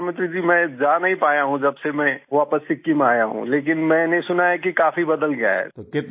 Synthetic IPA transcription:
mɪ̃t̪ɾid͡ʒiːmɛ̃d͡ʒaːnɐɦĩpaːjaɦũd͡ʒɐbsemɛ̃ʋaːpəsːɪkːimaːjaɦṵ̃leːk̬ɪnmɛ̃ːnesʊnaɦɛkikaːfibɐd̪əlɡɐja̰ɦɛ̰ːt̪okɪt̪̚

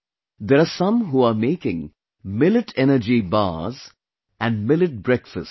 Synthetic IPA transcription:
d̪ɛɾasʌ̃mɦuːameːkɪ̃ŋ | mɪlɪʈʰɛnəɾd͡ʒiba̰ːz | æ̃nɖmɪlɪʈ̚bɾɛkfəst

